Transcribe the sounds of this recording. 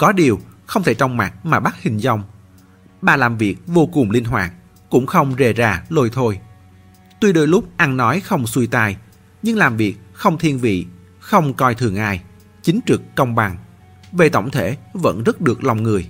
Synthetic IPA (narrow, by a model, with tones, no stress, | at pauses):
kɔ˨˦ɗi˨˩əwxə˧wŋ͡mt̪ʰe˧˩t͡ɕɔ˧wŋ͡mma˨˩t̚maː˨˩ɓa˦˥t̚hï˨˩ŋ̟zɔ˧˩wŋ͡m | ɓaː˨˩laː˨˩mvi˨˩ək̚vo˧kʊ˨˩ŋ͡mli˧ənɦwaː˨˩t̚ | kʊ̰˧˥ŋ͡mxə˧wŋ͡mze˨˩zaː˧˩lo˧jt̪ʰo˧j | t̪wi˧ɗo˧jlʊ˦˥k͡p̚ʔa˧nnɔ˨˦jxə˧wŋ͡mswi˧t̪aː˧˩j | ɲɨ˧ŋlaː˨˩mvi˨˩ək̚xə˧wŋ͡mt̪ʰi˧ənvḭ˧˨ | xə˧wŋ͡mkɔ˧jt̪ʰɨ˨˩əŋʔa̰ː˧˩j | t͡ɕï˨˦ŋ̟t͡ɕɨ˨˩kːə˧wŋ͡mɓa˨˩ŋ | ve˨˩t̪ə̰˧˩wŋ͡mt̪ʰe˧˩və̰˧˥nzə˦˥t̚ɗɨ˨˩ək̚la˨˩wŋ͡mŋɨ˨˩əj